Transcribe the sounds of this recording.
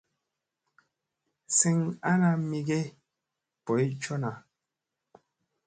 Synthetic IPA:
si˦ŋa˦na˦mi˦ɡe˦ | pɔ˨i˦t͡ʃo˦na˨

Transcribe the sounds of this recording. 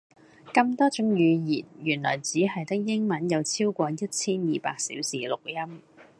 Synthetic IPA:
kɐ˧mt̪ɔː˥t͡ʃʊ˨˥ŋjyː˨˧jiː˨˩njyː˨˩nlɔ̰ː˨˩jt͡siː˨˥ɦɐ˨jt̪ɪ˥k̚jɪ˥ŋmɐ˨˥njɐ˨˧wt͡sʰiː˥wkʷɔː˧jɐ˥t̚t͡sʰiː˥njiː˨pa̰ː˧k̚sḭ˨˥wsiː˨lʊ˨k̚jɐ˥m

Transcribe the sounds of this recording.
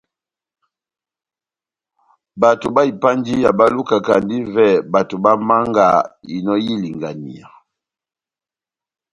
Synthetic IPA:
ba˨to˨ba˦i˨pa˦ndi˦ja˨ba˦lu˦ka˨ka˨ndi˦vɛ˦˨ba˨to˨ba˦ma˦ŋɡa̰˨ḭ˨nɔ˦ji˦li˨ŋɡa˨nḭ˨a˨

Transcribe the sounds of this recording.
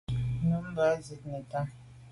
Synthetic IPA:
nu˨˦m̩˦ba˨˦zi˨t̚nɛ˨ta˦

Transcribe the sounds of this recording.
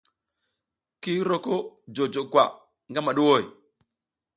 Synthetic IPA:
ki˦ɾo˦ko˦d͡ʒo˨d͡ʒo˨kwa˨ | ŋɡa˦ma˨ɗu˦wo˦˨j

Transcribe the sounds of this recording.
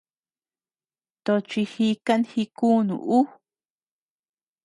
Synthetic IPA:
t̪o˧t͡ʃi˧hi˧ka˦nhi˧ku˦nṵ̃˧˨ʔu˦

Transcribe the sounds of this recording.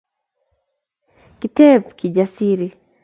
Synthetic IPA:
kitɛ˦p̚kʰi˨d͡ʒasi˦ɾi˨

